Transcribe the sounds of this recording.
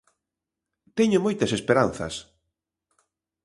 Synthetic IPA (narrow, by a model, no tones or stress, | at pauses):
t̪ɛɲʊmojt̪ɐsespeɾan̟θɐ̰s